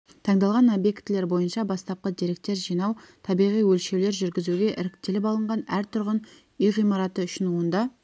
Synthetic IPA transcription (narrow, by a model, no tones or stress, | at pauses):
t̪ʰɑɴd̪ɑlˠʁɑnobje̞kt̪ːle̞ɾbo̞jənʃɑbɑst̪ɑp̚qəd̪iɾe̞k̚t̪ːe̞ɾʒijnɑwt̪ʰɑbijʁijwɵlʃe̞wle̞ɾʒʏɾɡʲɪzuɡʲe̞ʔɪɾɪkt̪e̞lɪpɑlˠəɴʁɑnæɾt̪ʰʊɾʁən | ʏjʁijmɑɾɑt̪əʏʃɪnuənd̪ɑ